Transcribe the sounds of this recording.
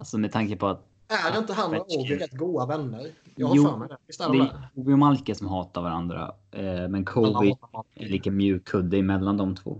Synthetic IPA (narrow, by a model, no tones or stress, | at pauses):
asɔmɛd̪t̪ʰaŋkəpʰɔat̪̚ | ædɛɪnt̪əɦanːuːɪɾɛt̪ːɡuːavɛnːəɾ | ud̪ɛjkʰuːvɪʊmalkəsɔmɦɑːt̪aɾvaɾand̪ɾa̰ | mɛnkʰuvɪɛliːkəmjʉ̟ːkʰːɵd̪ːəɪmɛlːand̪ɔmt̪ʰvo̰ː